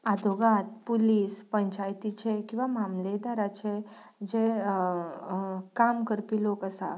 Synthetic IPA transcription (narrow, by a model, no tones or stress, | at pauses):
ad̪ʱoɡat̪̚puliːspəɲt͡ɕajt̪it͡ɕekĩw̃ʋamamled̪aɾat͡ɕe | d͡ʑe | kamkəɾpilokəsa̰